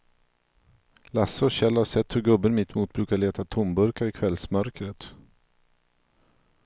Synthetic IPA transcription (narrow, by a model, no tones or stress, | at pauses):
lasːəɔɕɛlːhaʂɛt̪ːhɵɾɡɵbːənmɪt̪ːmuːt̪̚bɾʉ̟ːkaɭeːt̪at̪ʰʊmbɵɾkaɾɪkʰvɛlsmœɾkɾət̪